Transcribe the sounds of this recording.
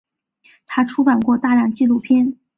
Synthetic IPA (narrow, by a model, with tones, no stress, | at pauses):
t̪ʰa˥ʈ͡ʂʰu˥ka˨˩nkwɔ˥˧t̪a˥˩la˥˩nt͡ɕi˥˧lu˥˩pʰjɛ˥n